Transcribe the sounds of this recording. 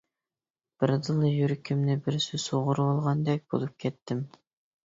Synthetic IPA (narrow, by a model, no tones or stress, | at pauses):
b̥ɪɾd̪ɨlˠɨjyɾkʲʰimnɪbɪɾsysoʁʊɾbolˠʁɑnd̪ɛk̚ʲbo̰lˠup̚kʲʰɛt̪ːɪm